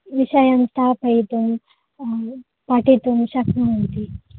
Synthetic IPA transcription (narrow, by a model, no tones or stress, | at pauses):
ʋiʃɐjɐmst̪ʰaːpɐjt̪um | paʈit̪umʃɐkmɐɐnt̪i